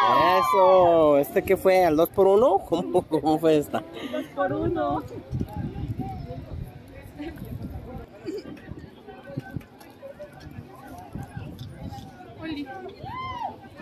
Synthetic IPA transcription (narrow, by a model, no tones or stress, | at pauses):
esoest̪ekefweeld̪ospoɾunokʰomkoomofweest̪ad̪ospoɾuno